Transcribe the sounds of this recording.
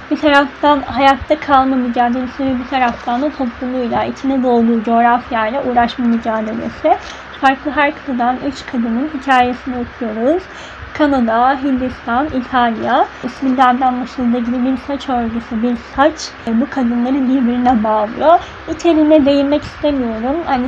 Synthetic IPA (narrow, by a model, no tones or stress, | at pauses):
bit̪ʰaɾaft̪ʰanɦajat̪ʰːakʰalˠmamyd͡ʒaːd̪e̞lʲesivɛbit̪ʰaɾaft̪ʰand̪at̪ʰo̞pʰlˠumlˠujlˠaʔit͡ʃʰinɛd̪o̞lˠd̪uːd͡ʒo̞ːɾafjajlʲɛʔuːɾaʃmamyd͡ʒaːd̪e̞̰lʲḛsɪ | faɾklˠɯɦæɾkʰḁt̪ad̪anyt͡ʃkʰad̪ɯnɯnhicʰaːje̞sinɛokʰujo̞ɾuz̥ | kʰanad̪aɦind̪ist̪ʰanit̪ʰalʲˠjaisminʲd̪ænd̪anb̪ˠaʃɯd̪aɟilibiɾsat͡ʃøɾɟysɯbiɾsat͡ʃbukʰad̪ɯnlˠaɾɯnbiɾbiɾinɛbaːlˠɯ̰jjo | it͡ʃʰe̞ɾinɛd̪e̞jinmɛcʰi̥st̪ʰe̞mijo̞ɾumhani